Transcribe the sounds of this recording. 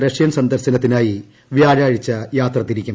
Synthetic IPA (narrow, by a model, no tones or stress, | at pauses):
ɾɐʂjɐnsɐnd̪ɐɾsɐnɐt̪ːinaːji | ʋjaːɻaːɻit͡ɕːɐjaːt̪rɐt̪ːiɾikʲːum